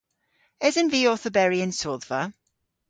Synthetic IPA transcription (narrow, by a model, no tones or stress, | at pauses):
ɛzə̃nviːɔˑθəbɛɹiə̃nsɔːðvə